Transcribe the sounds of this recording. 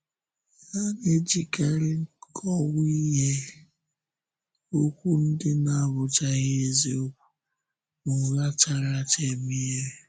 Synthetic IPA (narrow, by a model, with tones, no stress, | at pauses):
a˦ne˦d͡ʒi˨ka˦ɾɪ˦ŋ̩˦kʰɔ˦wi˦ɦe˦ | o˦kʷu˦n̩˦dɪ˦na˦˨βʊ˨t͡ʃa˦ɣe˦zi˨o˦kʷu̥˦ | mʊ˨ɣa˦t͡ʃa˦˨ɾa˦t͡ʃe˨mi˦e˦ɾe˨